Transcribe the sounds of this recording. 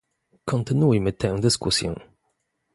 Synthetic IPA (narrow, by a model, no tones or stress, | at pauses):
kɔnt̪ɘnujmɘt̪ɛ̃w̃d̪ɘskusʲjɛ̰̃